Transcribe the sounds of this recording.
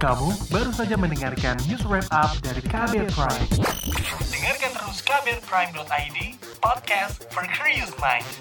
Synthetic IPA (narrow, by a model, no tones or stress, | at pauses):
kamubaɾusad͡ʒamənəŋarkanːuswɛp̚ap̚daɾikabɛt̪̚pɾajm | dəŋarkant̪əɾuskabɛt̪̚pɾajmnɔt̪ajdi | pɔd̚kɛst̪fɔrkʰɹijut̪̚mãjnd